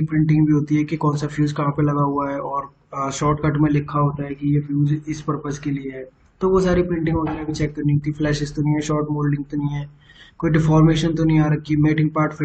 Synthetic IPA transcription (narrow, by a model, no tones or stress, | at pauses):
ikpɾɪ̃ɳʈɪ̃ŋɡbʱiɦoːt̪iɦɛkikɔːnsafjuːzkɐɦãpelɐɡaɦuaɦɛʔɔːɾ | ʃɔːɾʈkɐʈmẽlɪkʰaɦoːt̪aɦɛkijefjuːzɪspɐɾpəskelieɦɛː | t̪oʋosaːɾipɾɪ̃ɳʈɪ̃ŋɡɦoːt̪eɛbʱit͡ʃɛːkːɐɾniot̪iflɛːʃɪzt̪onɐɦĩɦɛʃɔːɾʈmoːlɖɪ̃ŋɡ̚t̪onɐɦĩɦɛː | koːiɖɪfɔːɾmeːʃənt̪̬onɐɦĩaːɾɐkːimeːʈɪ̃ŋɡ̚paːɾʈfɪ